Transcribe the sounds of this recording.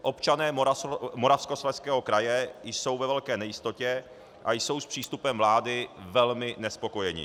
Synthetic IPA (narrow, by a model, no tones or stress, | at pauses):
ʔo̞pt͡ʃanɛːamoɾafsko̞slɛskɛːɦo̞kɾajɛjso̞wvɛvɛlkɛːnɛjɪst̪o̞cɛ | ʔajso̞wspr̝̥iːst̪upɛmvlaːdɪvɛlmɪnɛspo̞ko̞jɛɲɪ̰